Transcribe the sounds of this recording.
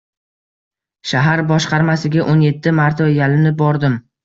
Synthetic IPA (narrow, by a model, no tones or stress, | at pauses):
ʃaɦaɾbɒʃqʰɑɾmasɪɡʲaʔonje̞t̪ʰːɪmaɾt̪ʰɒjalɪnɪbɒɾd̪ɪm